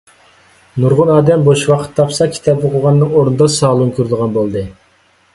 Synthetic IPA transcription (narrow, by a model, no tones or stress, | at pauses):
nuɾʁʊnɑːd̪ɛmboʃwɑqʰə̥t̪ʰːɑpsɑkʲʰi̥t̪ʰɑp̚b̪ɨqʰoʁɑnːɨŋoɾnɨd̪ɑsɑːlˠuŋkʲʰøɾd̪ɨʁɑnbolˠd̪ɨ